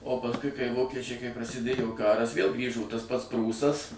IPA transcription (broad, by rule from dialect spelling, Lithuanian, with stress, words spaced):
oː pɐsˈkʊɪ kɐɪ ˈʋoːkʲɛt͡ʃʲɛɪ kɐɪ prɐsʲɪˈdʲeːjoː ˈkɑːrɐs ʋʲeːlˠ ˈɡrʲiːʒoː tɐs pɐts ˈpruːsɐs